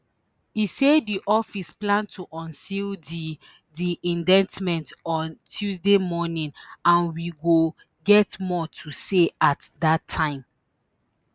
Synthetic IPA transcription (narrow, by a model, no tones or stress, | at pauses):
isediʔɔfisplãntʰuʔɔ̃nsildi | diʔĩndɛ̃nsmɛ̃ntɔ̃ntʰuzdemɔnĩnãnwiɡo | ɡɛtmɔtʰuseatdatʰːãɪ̃m